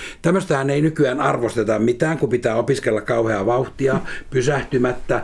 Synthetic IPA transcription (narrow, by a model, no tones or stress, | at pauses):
t̪æmːøst̪æhæneinykyæːnɑrʋost̪et̪ɑmmit̪æːŋkupit̪æːopiskelːɑkkɑuheɑʋɑuht̪iɑpysæht̪ymæt̪ːæ